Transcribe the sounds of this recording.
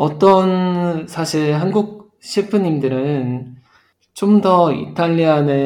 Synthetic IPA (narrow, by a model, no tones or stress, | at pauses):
ʌt͈ʌnsʰaɕʰiɾɦanɡuk̚ | ɕʰipʰɯɲimdɯɾɯn | t͡ɕomdʌḭtʰaʎːiane